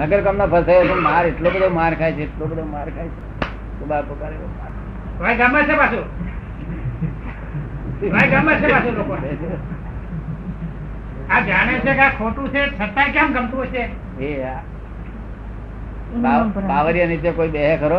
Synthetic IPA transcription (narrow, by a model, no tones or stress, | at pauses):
nəɡəɾkəmnopʰəsajot̪emaɾeʈlobəd̪ʱomaɾkʰajt͡ʃʰeːʈlobəd̪ʱomaɾkʰajt͡ʃʰe | subaɾpukaɾeomaɾ | ʋaiɡamat͡ʃʰebasu | ʋaiɡamːat͡ʃʰepasulokon | ad͡ʒaɽ̃et͡ʃʰekakʰoʈũt͡ʃʰesət̪ːakjãmɡʱəmt̪uojt͡ʃʰe | ea | aaʋəɾijənit̪ekoibeɦekʰəɾo